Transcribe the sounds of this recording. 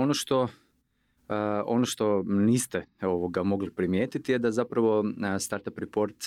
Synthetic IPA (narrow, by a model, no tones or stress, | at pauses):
onoʃt̪o̞ | o̞noʃt̪o̞niːst̪ɛo̞ʋoɡamo̞ɡlipɾimjeːt̪it̪ijed̪azapɾaʋo̞st̪aɾt̪apɾipoɾt̪